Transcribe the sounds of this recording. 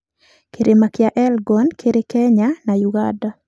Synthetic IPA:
kʰeɾemakjaʔɛlɡɔnkʰeɾekɛɲanajuɡa̰da

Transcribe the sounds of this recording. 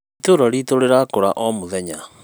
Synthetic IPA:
toɾaɾitoɾeɾakoɾa̰ʔɔmoðɛɲa

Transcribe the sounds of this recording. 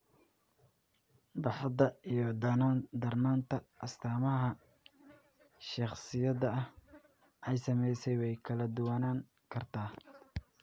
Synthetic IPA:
bɑħɑd̪ɐijɞd̪ɐnad̪ɐrnaːnt̪ʰɐʔɐst̪ʰaːmɐɦɐ | ʃɑχsɪjɐðɐɐh | ʔɛjsɐmɛjsɛjwɛjkʰɐlɐd̪ʊwaːnaːŋ | kʰɐrt̪ʰaː

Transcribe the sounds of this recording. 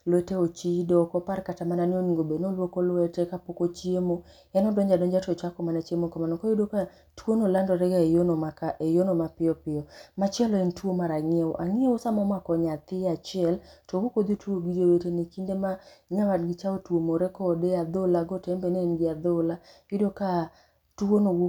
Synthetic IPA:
lwɛteot͡ʃidɔkɔparkatamananɪoniŋɡobenolwokɔlwɛtekapokot͡ʃiemo | ɛnɔdwɛɲd͡ʒadɔɲd͡ʒatɔt͡ʃakɔmanat͡ʃemokɔmanɔkɔjodoka | twonolandɔɾɛɡaejonoakaʔejonomapɪɔpɪjɔmat͡ʃɛlɔentwomaɾaŋɪeo̰ʔaŋɪeosamɔmwakɔɲat̪ɪat͡ʃɪɛltɔwokod̪otuoɡid͡ʒewetenikindemaɲawadɡɪt͡ʃaotwomoɾɛkɔdead̪olaɡɔtɛmbɛnenɡɪad̪olajɪdoka | tuonowo

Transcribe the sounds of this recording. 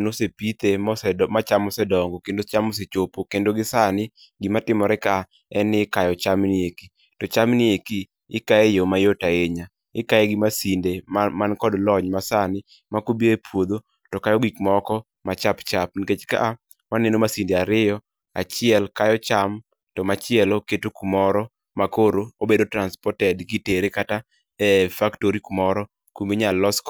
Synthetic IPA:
nosepit̪esɛmat͡ʃamɔsɛdɔŋɡokendot͡ʃamɔs̬et͡ʃopokendoɡɪsanɪ | ɡimatɪmɔɾɛka | ɛnɪkajɔt͡ʃamnɪeki | tɔt͡ʃamnɪeki | ɪkaejomajotaeɲa | ɪkajɛɡɪmasindemankɔdlɔɲmasanɪ | makobeɾepʰwod̪o | tɔkajɔɡikmɔkɔ | mat͡ʃapt͡ʃap̚niket͡ʃka̰ʔa | wanenomasindeaɾɪjɔ | at͡ʃɪɛlkajɔt͡ʃam | tɔmat͡ʃɪɛloketokumɔɾɔ | makoɾoobedotɾanspɔtɛdɡiteɾekata | ɛfaktoɾikumɔɾɔ | kumbeɲalːɔsk

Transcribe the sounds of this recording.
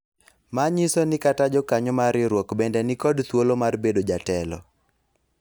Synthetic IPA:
maɲisonɪkatad͡ʒɔkaɲɔmaɾɪɾwɔkbɛndɛnɪkɔdt̪wolomarbedod͡ʒatɛlɔ̰

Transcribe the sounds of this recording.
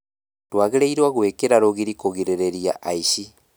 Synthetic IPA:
twaːɣiɾeiɾwaɣwekiɾaɾoɣiɾikoɣiɾeɾeɾia̰ʔaiʃi

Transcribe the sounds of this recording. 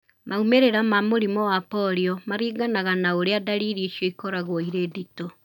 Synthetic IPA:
maumeɾeɾamamoɾimɔwapɔɾiɔmaɾiːɡanaɣanaoɾeadaɾiːɾiiʃjɔikɔɾaɣoiɾedito

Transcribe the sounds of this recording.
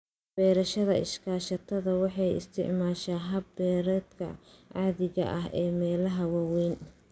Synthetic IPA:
b̥ɛːɾɐʃɐðɐɪ̰ʃkʰaːʃɐt̪ʰɐðɐwɑħɑjɪ̰st̪ʰɪ̰ʕmaːʃaːɦɐbbɛːɾɛd̪kʰɐ̰ʕɑðɪɣɐ̰ʔɐɦɛːmɛːlɐɦɐwɑwɛːn

